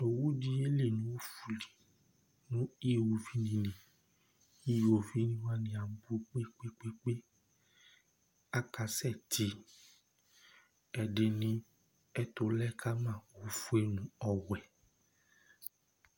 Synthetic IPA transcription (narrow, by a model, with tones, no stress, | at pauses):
o˨wu˦d͡ʒi˧e˦le˦˨nũ˨˦wo˦fu˨li˨ | nũ˨˦i˦˨wu˧vi˨˦nĩ˧nĩ˨ | i˦jo˨vi˦nĩ˦wa˦nĩ˧a˨˦bu˦k͡pe˦k͡pe˦k͡pe˦k͡pe˦ | a˦ka˧˦sɛ˦˨tʰi˨˦ | ɛ˨de˧nĩ˧˦ | ɛ˦to˧lɛ˦kʰa˦mãː˦˨wo˨˦fu˦e˦nũ˨˦ɔ˧wɛ˨